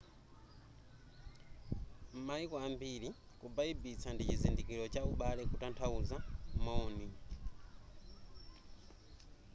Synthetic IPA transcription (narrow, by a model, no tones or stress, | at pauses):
m̩maikɔambiɾi | kubaibit͡sʰandit͡ʃizindikiɾɔt͡ʃauɓalɛkutantʰauzamɔːni